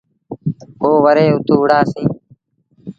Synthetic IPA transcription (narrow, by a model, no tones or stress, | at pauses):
oːʋəɾeːʊt̪ʰuːʊɽaːsĩː